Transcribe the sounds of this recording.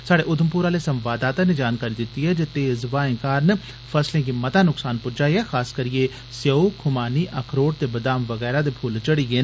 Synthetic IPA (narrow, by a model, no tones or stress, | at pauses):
saːɽeːʔʊd̪əmpuːɾaːleːsəmʋaːd̪aːt̪ãːneːd͡ʒaːnkaːɾiːd̪ɪt̪ːiːɦɛːd͡ʒet̪ːeːzʋaːɪ̃ːkaːɾn | pʰəslẽːkimət̪aːnʊksaːnpʊɾd͡ʒaːiɦɛːxaːskəɾiẽː | sjəokʰʊmaːniːʔəkʰɾoːʈ̚t̪eːbəd̪aːmʋəɣɛːɾaːd̪eːpʰʊlt͡ʃəɽiːɡeː